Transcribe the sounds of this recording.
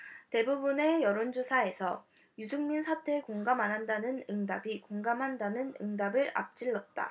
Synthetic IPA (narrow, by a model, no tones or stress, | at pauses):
te̞bubune̞jʌɾond͡ʑosʰae̞sʰʌ | jusʰuŋminsʰatʰe̞koŋɡamanɦandanɯnɯŋdabikoŋɡamɦandanɯnɯ̰ŋdabɯɾa̰p̚t͡ɕ͈iɭːʌt̚t͈a̰